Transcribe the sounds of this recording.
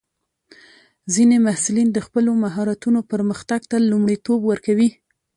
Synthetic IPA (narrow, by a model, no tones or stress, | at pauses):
zinemahsulind̪əxpəlomaɦɑɾat̪unopəɾməxt̪aɡt̪alumɽit̪obwəɾkawi